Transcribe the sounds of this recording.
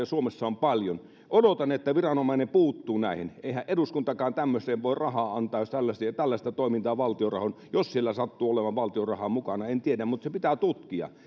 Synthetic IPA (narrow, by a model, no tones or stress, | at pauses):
ɑsuomesːɑompɑljon | ʔodot̪ɑnet̪ːæʋirɑnomɑˑinepuːt̪ːuːnæˑiheneˑihæʔʔeduskunt̪ɑkɑːnt̪æmːøseːʋʋoˑerɑhɑːɑnt̪ˑɑːjost̪ælːæsit̪ælːæst̪ɑt̪oˑimint̪ɑːʋɑlt̪iorɑ̰hon | jossielːæsɑt̪ːuːoleʋɑʋʋɑlt̪iorɑhɑmukɑnɑent̪iedæmmut̪sepit̪æt̪ut̪kiɑ̰